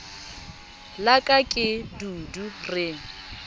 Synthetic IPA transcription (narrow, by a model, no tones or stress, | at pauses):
lakʼakʼɪdudurɪŋ̩